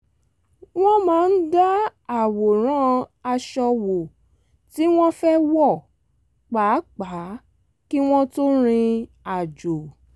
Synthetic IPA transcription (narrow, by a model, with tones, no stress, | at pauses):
w̃ɔ̃˦mãː˨˦n̩˦da˦a˨wo˨ɾ̃ã˦a˧ʃɔ˧wo˨ | ti˦w̃ɔ̃˦fɛ˦wɔ˦˨ | k͡pa˨˦k͡pa˨˦ | ki˦w̃ɔ̃˦to˦ɾ̃ĩ˧ | a˨d͡ʒo˨